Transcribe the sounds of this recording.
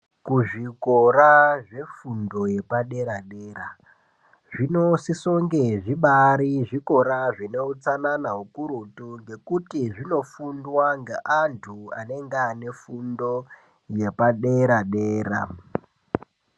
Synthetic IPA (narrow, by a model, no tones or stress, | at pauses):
kuʐikoɾaʐe̞fundo̞je̞paɗe̞ɾaɗeːra | ʐino̞sisoŋɡe̞ʐiɓaɾiʐiko̞ɾaʐine̞ut͡sananaɦukuɾutuŋɡe̞kutiʐino̞fundwaŋɡeʔantʰua̰ne̞ŋɡeane̞fundo̞ | je̞paɗeɾaɗeːra̰